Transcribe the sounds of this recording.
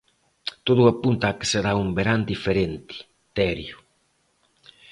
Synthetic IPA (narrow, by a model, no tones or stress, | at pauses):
t̪oðuapunt̪ake̥seɾaumbeɾand̪ifeɾɛnt̪i̥ | t̪ɛɾju